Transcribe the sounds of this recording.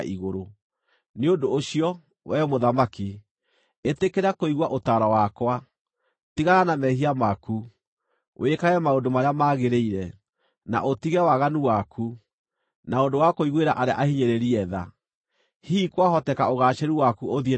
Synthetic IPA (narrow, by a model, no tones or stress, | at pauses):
ʔiɣoɾo | neondoːɕiɔ | wɛmoðamaki | etekeɾakoiɣwaʔotaɾawakwa | tiɣaanamɛhiamaku | wʔekaɣɛmaondomaɾeamaɣeɾeiɾɛ | na̰ʔotiɣɛwaɣanuwakʰu | naondowakoiɣweɾa̰ʔaɾea̰ʔahiɲeɾeɾiɛða̰ | hiːkwaɦɔtɛkaoɣaːʃeɾuwakuoðe